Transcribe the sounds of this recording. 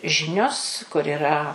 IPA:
ˈʒʲɪnʲoːs kʊr ɪˈrɐ

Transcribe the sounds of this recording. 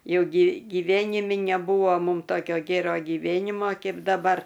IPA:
ˈjɛʊ ɡʲiː ɡʲiːˈʋʲæːnʲɪmʲɪ nʲɛˈbuːʋoː ˈmuːm ˈtoːkʲoː ˈɡʲeːroː ɡʲiːˈʋʲeːnʲɪmoː ˈkʲɛɪp dɐˈbɐr

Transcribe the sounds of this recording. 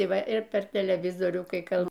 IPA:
ɪ ˈʋɐ ɪr ˈpʲɛr tʲɛlʲɛˈʋʲɪzoːrʲuː kɐɪ ˈkɐlˠ

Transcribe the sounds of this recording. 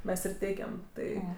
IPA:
ˈmʲɛs ɪr ˈtʲɛɪkʲɛm ˈtɐɪ

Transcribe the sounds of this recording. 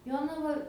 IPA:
ˈjoːnɐʋɐ

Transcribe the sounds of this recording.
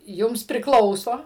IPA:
ˈjʊms pʲrʲɪˈklˠɐʊsoː

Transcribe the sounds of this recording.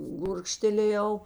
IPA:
ˈɡʊrkʃʲtʲɛlʲeːjɛʊ

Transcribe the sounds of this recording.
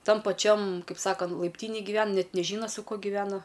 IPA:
ˈtɐm pɐˈt͡ʃʲɛm ˈkɐɪp ˈsɑːkɐnt lˠɐɪpʲˈtʲiːnʲeːj ɡʲiːˈʋʲɛn ˈnʲɛt nʲɛˈʒʲiːnɐ sʊ ˈkuɔ ɡʲɪʋʲɛˈnɐ

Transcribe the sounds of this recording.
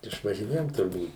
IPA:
ɪʃʋɐʒʲɪˈnʲeːjoːm tʊrˈbuːt

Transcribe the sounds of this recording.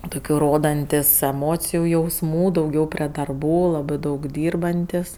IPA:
dɐʊˈɡʲɛʊ ˈroːdɐnʲtʲɪs ɛˈmoːt͡sʲɪjʊ jɛʊsˈmuː dɐʊˈɡʲɛʊ pʲrʲeː dɐrˈbuː ˈlˠɑːbɜ ˈdɐʊk ˈdʲiːrbɐnʲtʲɪs

